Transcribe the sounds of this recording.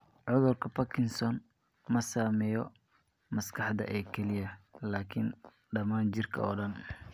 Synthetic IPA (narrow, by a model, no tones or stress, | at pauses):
ʕʊðʊrkʰɐpʰɐkʰɪnsɔn | mɐsaːmɛjɔ | mɐskʰɑħd̪ɐ̰ʔɛːkʰɛlɪjɐlaːkʰɪn | ɖɐmaːnt͡ʃɪrkʰɐ̰ɔːɖɐn